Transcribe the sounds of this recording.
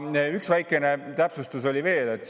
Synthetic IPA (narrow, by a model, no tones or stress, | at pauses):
yksvæjkːˑe̞ne̞t̪æpsust̪uso̞lʲive̞ːle̞t̪ːˑ